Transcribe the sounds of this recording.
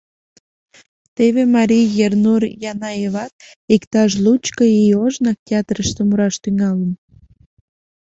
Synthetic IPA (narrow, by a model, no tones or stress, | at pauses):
t̪eβemɑɾʲijjernurjɑnɑeβɑt̪̚ | ikt̪ɑʃ̬lut͡ɕkəioʒnɑk̚t̪ʲeɑt̪rəʃt̪emuɾɑʃt̪yŋɑlən